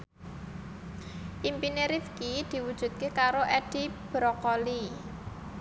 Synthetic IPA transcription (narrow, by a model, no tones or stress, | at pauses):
ʔimpineɾifkid̪̥i̤wud̥ʒ̥ṳt̪̚kekaɾoʔɛd̥i̤b̥ɾɔkɔli